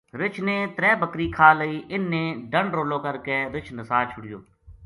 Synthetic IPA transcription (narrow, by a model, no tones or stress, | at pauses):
ɾɪt͡ʃʰneːt̪ɾɛːbəkɾiːkʰaːləiːʔɪnːẽːɖəɳɖɾoːloːkəɾkeːɾɪt͡ʃʰnəsaːt͡ʃʰʊɽɪjo̰ː